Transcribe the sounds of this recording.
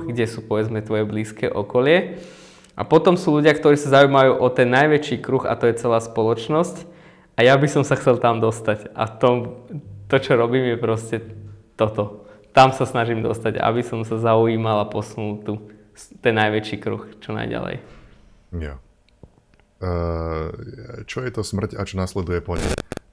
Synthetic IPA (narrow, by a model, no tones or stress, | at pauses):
ɡɟɛsuːpɔʋɛd͡zmɛt̪ʋɔjɛbliːskɛ̰ːʔɔkɔlɪɛ | ʔa̰pɔt̪ɔmsuːluɟɪakt̪ɔɾiːsazaujːmaʋajuʔɔt̪ɛnːajʋɛt͡ʃiːkɾuɣa̰t̪ɔjɛt͡sɛlaːspɔlɔt͡ʃnɔsc | ʔajabisɔmsaxt͡sɛlt̪amd̪ɔst̪aca̰ft̪ɔmt̪ɔt͡ʃɔɾɔbiːmjɛpɾɔscɛt̪ɔt̪ɔt̪amsasnaʒimd̪ɔ̰st̪aɟa̰a̰bisɔmsazauiːmalapɔsunult̪u | st̪ɛnːajʋɛt͡ʃiːkɾṵxt͡ʃɔna̰jɟa̰lɛ̰j | ja̰ | t͡ʃɔjɛt̪ɔsmr̩cat͡ʃɔnaslɛd̪ujɛpɔɲɛ̰j